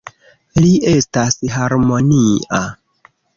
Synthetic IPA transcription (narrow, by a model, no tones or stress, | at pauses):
liʔe̞stasɦaɾmo̞nia